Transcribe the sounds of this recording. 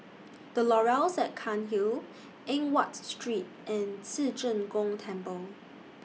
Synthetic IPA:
d̥əlɔɹalsɛt̚kʰãnɦi | ʔɛ̃ŋwɔtstɹit̚ʔɛ̃nsid͡ʒə̃nɡɔ̃ŋtʰɛ̃mpəl

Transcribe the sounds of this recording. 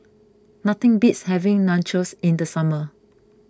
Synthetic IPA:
nat̪ɪ̃ŋbitshɛvɪ̃ŋnãnt͡ʃəsĩndəsamə

